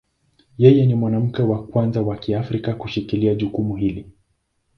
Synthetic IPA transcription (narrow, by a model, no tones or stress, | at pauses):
jɛjɛnimwanam̩kɛwakwanzawakiafɾikakuʃikiliaʄukumuɦili